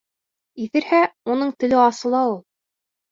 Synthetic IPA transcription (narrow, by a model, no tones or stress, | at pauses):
iθɘ̆ɾhæunɤɴt̪ɘ̆lɘɑsɤ̆lˠɑulˠ